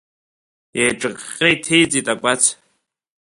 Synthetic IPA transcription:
ejʈ͡ʂʼɨqʼʲːejtʰe̞jt͡sʼitʼakʷʼat͡sʰ

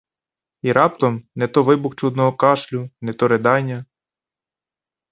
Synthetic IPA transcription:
iɾɑpt̪ɔmnɛt̪ɔʋɪbʊxt͡ʃud̪nɔɦɔkɑʃlʲʊnɛt̪ɔɾed̪ɑnʲːɐ

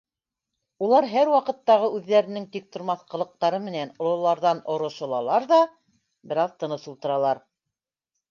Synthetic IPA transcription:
ulˠɑɾɦæɾwɑqɤ̆t̪ːɑʁɤʉðːæɾɘ̆nɘŋt̪ik̚t̪ŏɾmɑθqɤ̆lˠɤ̆q̚t̪ɑɾɤmɘ̆nænŏlˠɤ̆lˠɑɾðɑnŏɾŏʃɤ̆lˠɑlˠɑɾðɑ | bɘ̆ɾɑðt̪ɤ̆nɤsulˠt̪ɤ̆ɾɑlˠɑɾ

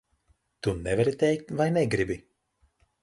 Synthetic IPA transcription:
t̪unɛvaɾit̪ʲɛjk̚t̪vajnɛɡɾibi

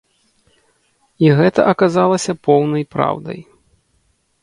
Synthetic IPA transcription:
iɣɛt̪ɐ̰ʔɐkazalˠɐsʲɐpɔwnɐjpɾa̰wd̪ɐ̰j

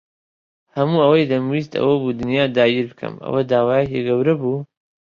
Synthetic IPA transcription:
hɐmuːɐwɐjd̪ɐmwist̪ɐ̰wɐbuːd̪ɨnjaːd̪aːiɾbɨkʰɐ̰mɐ̰wɐd̪aːwaːjekiɡɐwɾɐbuː

